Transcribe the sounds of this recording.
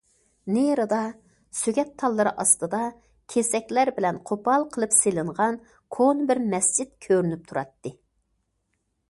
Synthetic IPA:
neɾɨd̪ɑ | syɡʲɛt̪ʰːɑlˠːɨɾɨʔɑst̪ɨd̪ɑ | kʲʰesɛkʲlæɾbɪlɛnqʰopɑlˠqʰəlˠɨpselɪɴʁɑn | kʰonɨbɪɾmɛsd͡ʒit̪̚kʲʰøɾynyp̚t̪ʰuɾɑ̰t̪ːɨ

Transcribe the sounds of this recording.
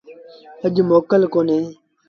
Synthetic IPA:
əʄmoːkəlkoːneː

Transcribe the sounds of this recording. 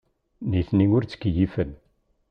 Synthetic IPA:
niθniŋʊɾt͡sːə̥kːjifən

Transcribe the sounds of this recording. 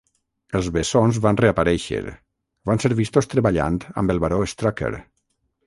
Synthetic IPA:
əlˠzβesonzβanreapaɾɛʃə̰ɾ | banseɾβist̪ost̪ɾəβaʎa̰nt̪a̰mbəlˠβaɾoest̪ɾɔkḛɾ

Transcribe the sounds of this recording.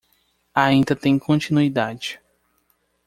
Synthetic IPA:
aĩnd̪ɐt̪ẽj̃kʰõt͡ʃinuid̪ad͡ʒɪ

